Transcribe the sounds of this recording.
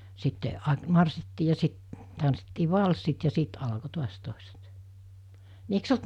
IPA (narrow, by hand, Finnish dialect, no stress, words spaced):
sitːe ɑ mɑrsːitːiː jɑ sit tɑnsːitːiː ʋɑlsːit jɑ siːt ɑlko tuɑs toˑeset ni eiks olt